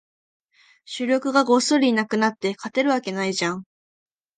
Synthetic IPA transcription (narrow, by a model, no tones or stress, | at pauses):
ɕɨɾʲo̞kɯ̟ɡaɡo̞soɾʲinakɯ̟nat̪ːe̞kʰat̪e̞ɾɯ̟β̞ake̞naiʑãŋ